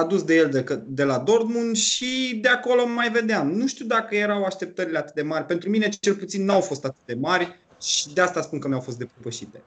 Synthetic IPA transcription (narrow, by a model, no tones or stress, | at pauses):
ad̪usd̪e̞jeld̪ekəd̪e̞lad̪o̞rd̪munʃid̪e̞ako̞lo̞mːajve̞d̪eamnuʃt̪iuwd̪akəje̞ɾawaʃt̪e̞p̚t̪əɾileat̪ɨt̪d̪e̞marʲpent̪ɾumine̞t͡ʃe̞lput̪sinːawfo̞st̪at̪ɨ̥t̪̚d̪e̞marʲ | ʃi̥d̪east̪aspunkəmʲjawfo̞st̪d̪eppəʃit̪e̞